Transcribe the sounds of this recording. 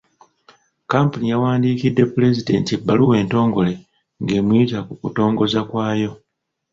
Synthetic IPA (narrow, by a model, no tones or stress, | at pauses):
kampunijawaːndiːkidːe̞pule̞zide̞̰ntiebːaluwe̞ːnto̞ːŋɡo̞le̞ | ŋɡe̞ːmwiːtakukuto̞ːŋɡo̞zakwaːjo̞